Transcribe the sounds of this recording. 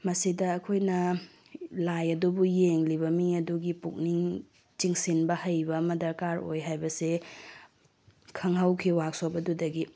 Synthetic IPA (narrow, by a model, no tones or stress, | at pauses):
mɐsidɐːkʰojnɐ | lajɐdubujeŋlibɐmiŋɐduɡipuk̚niŋ | t͡ʃiŋsinbɐhɐjbɐmɐdɐɾkaɾo̰jɦajbɐse | kʰɐŋɦawkʰiwak̚sobɐdudɐɡi